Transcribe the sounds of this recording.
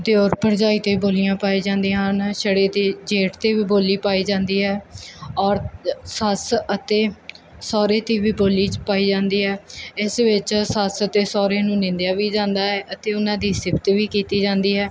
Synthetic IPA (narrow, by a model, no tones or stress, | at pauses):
d̪eɔːɾpəɾd͡ʒaːiːt̪eːboːlɪjãːpaːiːd͡ʒãːnd̪ĩːãɦnʃəɽeːt̪iːd͡ʒeːʈt̪eːʋiːboːliːpaːiːd͡ʒãːnd̪iːɦɛːɔːɾsəsət̪eː | sɔːɾeːt̪iːʋiːboːliːt͡ʃpaːiːd͡ʒãːnd̪iːɦɛːɪsʋɪt͡ʃsəsət̪eːsɔːɾeːnũːnɪ̃nd̪jaːʋiːd͡ʒãːnd̪aːɦɛːʔət̪eːʊnãːd̪iːsɪbt̪ʋiːkiːt̪iːd͡ʒãːnd̪iːɦɛː